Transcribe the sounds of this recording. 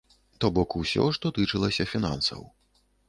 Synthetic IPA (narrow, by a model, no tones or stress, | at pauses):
t̪ɔbɔkusʲɔ̰ʂt̪ɔt̪ɨt͡ʂɨlˠɐsʲɐfʲina̰nsɐ̰w